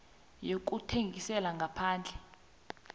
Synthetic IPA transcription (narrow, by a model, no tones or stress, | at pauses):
jok̬ʼutʰeŋɡisɛlaŋɡʱapʰaːnd͡ɮʱɛ